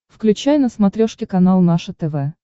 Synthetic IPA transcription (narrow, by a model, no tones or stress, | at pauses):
fklʲʉt͡ɕæjnəsmɐt̪ɾʲoʂkʲɪkɐnalˠnaʂət̪ɛvɛ